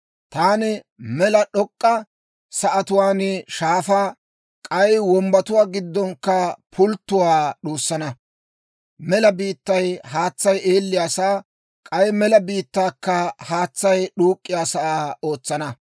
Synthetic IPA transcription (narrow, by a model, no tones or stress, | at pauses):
t̪aːnɪ | mɛlɐɗɔkʼːɐ | sɐʔɐt̪ʊwaːnɪʃaːfaː | kʼɐjwɔmbɐt̪ʊwaːɡɪd̪ːɔŋkːɐpʰʊlt̪ːʊwaːɗuːsːɐnɐ | mɛlɐbiːt̪ːɐjhaːt͡sːɐjʔeːlːɪjaːsaː | kʼɐjmɛlɐbiːt̪ːaːkːɐhaːt͡sːɐjɗuːkʼːɪjaːsɐaːo̞ːt͡sːɐnɐ